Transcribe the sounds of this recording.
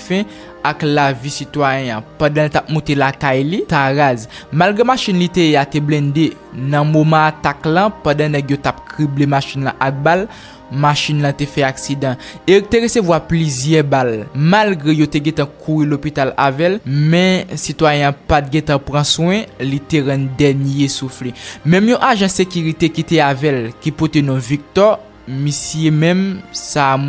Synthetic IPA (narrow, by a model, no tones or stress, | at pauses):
fɛ̃ | aklavisit̪wajɛ̃ãpãdãlit̪ap̚mũtelakajlit̪aɣazmalɡʁemaʃinlit̪eeateblɛ̃de | nɐ̃momãat̪aklɐ̃pãdãnɛɡjotap̚kʁiblemaʃinlɐ̃ʔak̚bal | maʃinlãt̪efɛaksidãet̪eɣesevwaplizjɛbalmalɡʁejot̪eɡɛ̃t̪ãkʰuʁilopit̪ala̰vɛlmɛ̃sit̪wajɛ̃ãpat̪̚ɡɛ̃t̪ãpʁɐ̃swɛ̃lit̪eɣɛ̃nd̪ɛnjesuflemɛ̃mjɔ̃ʔaʒãsekyɣit̪ekit̪eavɛlkipot̪enɔ̃vik̚t̪ɔ | misjemɛ̃msa